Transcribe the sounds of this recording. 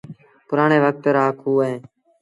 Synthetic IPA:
pʊɾaːɳeːʋək̚t̪ɾaːkʰuːɦeː

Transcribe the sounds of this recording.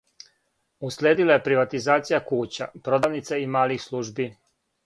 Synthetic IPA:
uslʲeːd̪ilaje̞pɾiʋat̪izaːt̪sijakuːt͡ɕa̰pɾo̞d̪aːʋnit̪saimaːlixslˠuːʒbi

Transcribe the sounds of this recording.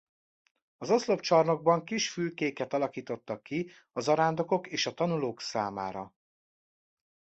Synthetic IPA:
ɒzoslo̞pt͡ʃɒrno̞ɡ̚bɒŋkiʃfylkeːkɛt̪ɒlɒkiːt̪o̞t̪ːɒkːi | ɒzɒɾaːnd̪o̞ko̞keːʃɒt̪ɒnuloːksaːmaːɾɒ

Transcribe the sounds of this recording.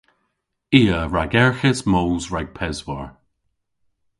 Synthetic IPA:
iːəɹaɡɛɹxəsmoːlzɹaɡ̥̚pʰɛzwɔɹ

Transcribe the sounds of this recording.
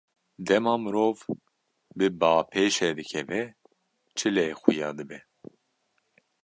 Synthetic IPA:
d̪ɛmɑːmɨɾoːv | bɨbɑːpʰeːʃɛd̪ɨkʰɛvɛ | t͡ʃʰɨleːxujɑːd̪ɨbɛ

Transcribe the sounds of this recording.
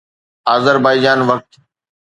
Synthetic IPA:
aːzəɾbaːid͡ʒaːnʋək̚t̪

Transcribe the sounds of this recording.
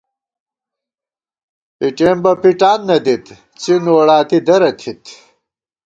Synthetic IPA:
piʈeːmbɐpiʈaːnːɐd̪it̪ | t͡sinoːɽaːt̪id̪ɐɾɐt̪ʰit̪

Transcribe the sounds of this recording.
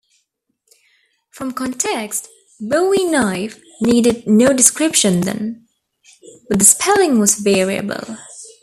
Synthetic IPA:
fɹʌ̃mkʰɔ̃ntʰɛkst | boʊwinaɪf | niːɾɨd̚ⁿnoʊdɨskɹɪpʃɨ̃nðɨ̰̃n | b̥ʌt̪̚ðɨspʰɛlˠɪ̃ŋwʌzvɛɹiɨ̰bə̰lˠ

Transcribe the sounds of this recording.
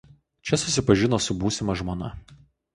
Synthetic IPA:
t͡ʃʲɛsʊsʲɪpɐʒʲɪnoːsʊbuːsʲɪmɐʒmoːnɐ

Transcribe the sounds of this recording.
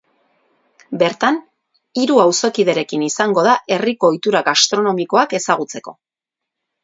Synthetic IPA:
be̞ɾt̪an | iɾuawso̞kið̞e̞ɾe̞kinisaŋɡo̞ðaʔe̞riko̞ːjt̪uɾaɣast̪ɾo̞no̞miko̞ake̞saɣ̞ut͡se̞ko̞̰

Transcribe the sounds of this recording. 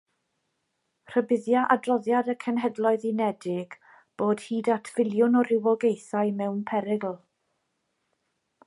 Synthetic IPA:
r̥əbɪðjaʔadrɔðjadəkʰənɦɛdlˠɔɨðinɛdɪɡ̥ | b̥oːd̥hiːdatʰv̥ɪlˠjʊnɔɾɪwɔɡejθajmɛwnpʰɛɾɪɡl̩ˠ

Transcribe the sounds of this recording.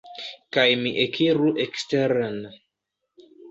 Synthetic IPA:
kajmiʔekʰiɾuʔeksteɾen

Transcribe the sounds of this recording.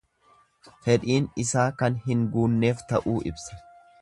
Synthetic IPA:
fɛᶑ̪iːnɪsaːkɐnɦɪŋɡuːnːe̞ːft̪ɐʔuːʔɪbsɐ̥

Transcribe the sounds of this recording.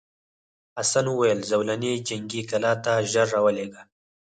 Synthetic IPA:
asanuwajəlzawlaned͡ʒaŋɡikalɑt̪aʒəɾːawəleɡa

